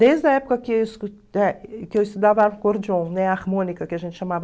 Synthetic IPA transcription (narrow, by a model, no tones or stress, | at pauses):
d̪ezd̪ɐɛpu̥kɐkɪis | ɛkewist̪ud̪avɐaɾkoɾd͡ʒõw̃nɛaɾmõnikɐkɪɐʒẽnʃamavɐ